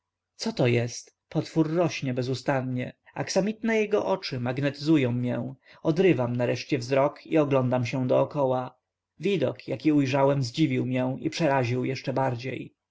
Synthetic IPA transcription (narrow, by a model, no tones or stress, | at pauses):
t̪sɔt̪ɔjɛst̪ | pʰɔt̪fuɾːɔɕɲɛbɛzust̪anɲɛ | a̰ksamʲit̪nɛjɛɡɔʔɔt͡ʂɘmaɡnɛt̪ɘzujɔ̃w̃mʲjɛ | ɔd̪ɾɘvamnaɾɛʂt͡ɕɛvzɾɔkʰḭɔɡlɔnd̪amɕɛ̃d̪ɔːkɔwa | vʲid̪ɔ̰kjakʲiujʐawɛmzd͡ʑivʲiwmʲjɛ̃ḭpʂɛɾaʑiwjɛʂt͡ʂɛbaɾd͡ʑḛj